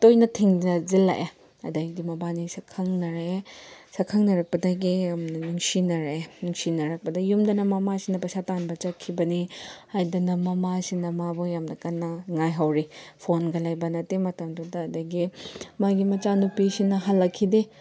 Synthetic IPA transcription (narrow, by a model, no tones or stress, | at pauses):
tojnɐtʰiŋnɐzilːa̰ʔe | ɐ̰dɐɡidimɐbanisɐkʰɐŋnɐɾesɐkʰɐŋnɐɾɐk̚pɐdaɡiamnɐnuŋsinɐɾenuŋsinɐɾɐk̚pɐdɐjumdɐnɐmɐmasinɐpɐsatanbɐt͡ʃɐkʰːibɐnihajdunɐmɐmasinɐmabojamnɐkɐnːɐŋajɦawɾipʰonɡɐlajbɐnɐtemɐtɐmdudɐːdɐɡimaɡimɐt͡ʃanupisinɐɦɐlːɐkʰːide